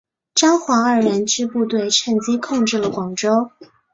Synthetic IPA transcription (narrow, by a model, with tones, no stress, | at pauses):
ʈ͡ʂɑ˥ŋxwa˧˥ə˞˨˩ɻə˧˥nt͡ɕy˥pu˥˧t̪we˥˩ɪʈ͡ʂʰə˥˩ŋt͡ɕi˥kʰʊ˥˧ŋʈ͡ʂɻ̩˥˩lə˩kwɑ˨˩ŋʈ͡ʂo˥ʊ